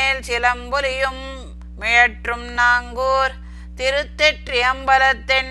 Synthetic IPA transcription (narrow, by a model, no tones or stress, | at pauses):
eːlsɪlɐmbʊlɪjɯm | mɪɻɐʈrɯmnaːŋɡuːɾ | t̪ɪɾɯt̪ːɪʈɾɪjɐmbɐlɐt̪ːɪn